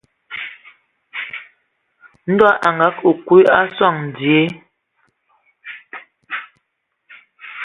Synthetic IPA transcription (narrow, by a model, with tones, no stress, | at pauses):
n̩˦dwa˦ʔa˨ŋɡa˨˦kʰo˨kwu˦a˦swa˦˨ŋn̩˨dje˦